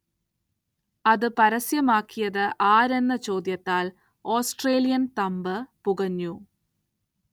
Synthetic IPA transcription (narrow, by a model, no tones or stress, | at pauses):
ɐðɨpɐɾɐsjɐmaːkːijɐðɨʔaːɾe̞nːɐt͡ɕo̞ːd̪jɐt̪ːaːl | o̞ːsʈreːlijɐnt̪ɐmbɨpuɣɐɲːu